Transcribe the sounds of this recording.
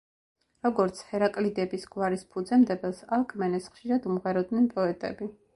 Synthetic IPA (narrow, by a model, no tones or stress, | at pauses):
ɾɔɡɔɾt̪sʰhɛɾakʼlid̪ɛbisɡwaɾispʰud̪zɛmd̪ɛbɛlˠsalˠkʰmɛnɛsχʃiɾad̪umʁɛɾɔd̪nɛnpʼɔɛt̪ʼɛ̰bi